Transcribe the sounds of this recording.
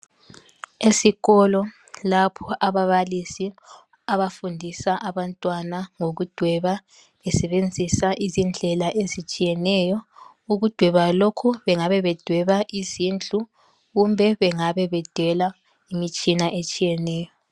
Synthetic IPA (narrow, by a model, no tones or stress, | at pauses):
esiɣɔlɔ | lapʰɔʔaβaβalisi | aβafundʱisaʔaβantʼwanaŋoɣud̥ʱwɛβa | βɛsɛβend͡zʱisaʔizind͡ɮʱɛlaʔezit͡ʃʼijɛnɛjɔ | uɣud̥ʱwɛβalokʰuβɛŋaβɛβɛd̥ʱwɛβaʔizind͡ɮʱu | ɣumbʱɛβɛŋaβɛβɛd̥ʱwɛla | imit͡ʃʼinaʔet͡ʃʼijɛnɛːjɔ